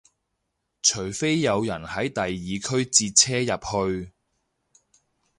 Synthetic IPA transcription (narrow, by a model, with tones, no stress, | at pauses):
t͡ʃʰɵ˨˩ɥfe˥jːɐ˨˧wjɐ˨˩nhɐ˨˥jt̪ɐ˨jːiː˨kʰɵ˥ɥt͡siː˧t̚t͡sʰɛː˥jɐ˨p̚hɵ˧ɥ